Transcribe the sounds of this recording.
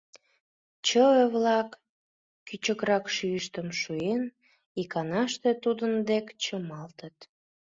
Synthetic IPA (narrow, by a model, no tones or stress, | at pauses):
t͡ɕəəβlɑkː | yt͡ɕəkɾɑkʃyəʃt̪əmʃuen | ikɑnɑʃt̪et̪ud̪ənd̪ekt͡ɕəmɑlt̪ət̪